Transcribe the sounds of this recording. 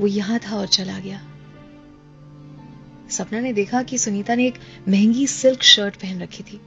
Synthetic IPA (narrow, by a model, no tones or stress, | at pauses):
ʋojɐɦãt̪ʰaɔːɾt͡ʃɐlaɡɐjaː | sɐpnaned̪eːkʰakisʊniːt̪aneːk | mɛɦɛ̃ŋɡisɪlkʃəːɾʈbɛɦɛnɾɐkʰːit̪ʰiː